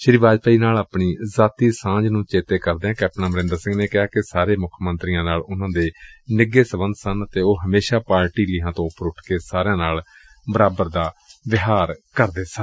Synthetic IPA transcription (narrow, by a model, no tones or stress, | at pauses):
ʃɪɾiʋaːd͡ʒpaːiːnaːlaːpɳiːzaːt̪iːsãːd͡ʒnũːt͡ʃeːt̪eːkəɾd̪eːɛ̃ːkɛːp̚ʈnãːməɾɪ̃nd̪əɾsɪ̃ŋɡneːkɪɦaːkɪsaːɾeːmʊkʰmə̃nt̪ɾijãːnaːlʊnãːd̪eːnɪɡːeːsəbənd̪sənət̪eːoːɦəmeːʃaːpaːɾʈiːliːɦãːt̪õːʊpːəɾʊʈʰkeːsaːɾeãːnaːl | bəɾaːbəɾd̪aːʋɪɦaːɾkəɾd̪eːsə